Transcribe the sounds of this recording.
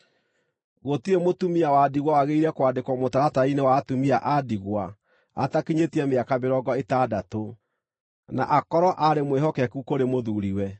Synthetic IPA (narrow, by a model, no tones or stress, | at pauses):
ɣotiemotumiawadiɣwawaɣeiɾɛkwaːdekwɔmotaɾatainewaːtumiaʔadiɣwa | a̰takiɲetiɛmeakameɾɔɡɔetadato | na̰ʔakɔɾɔʔaɾemweɦɔkɛkukoɾemoðuɾiwɛ